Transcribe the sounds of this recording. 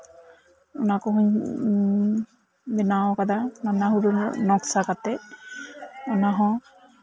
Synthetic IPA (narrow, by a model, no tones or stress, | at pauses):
ɔnakɔɦuɲ | bɛnawkad̪ananaɦuɾunɔksakat̪ɛ | ɔnaɦɔ̃